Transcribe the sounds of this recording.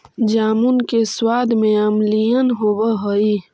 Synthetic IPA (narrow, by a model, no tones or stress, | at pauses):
d͡ʒaːmunkeswaːd̪mẽəmlijənɦoːwəɦoi